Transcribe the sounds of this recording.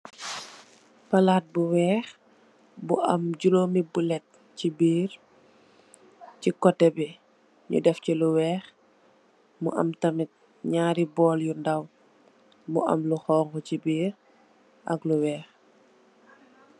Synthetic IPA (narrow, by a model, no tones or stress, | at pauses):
pɐlaːt̚buwɛːx | buʔɐmɟuloːmibulɛt̚ | cibiːɾ | cikɔtːɛbɛ | ɲṵdɛfculuwɛːx | mṵʔɐ̰mtɐmit̚ | ɲaːɾibɔːljundɐw | muʔɐ̰mluxɔːŋkɔcibiːɾ | ʔɐ̰kluwɛːx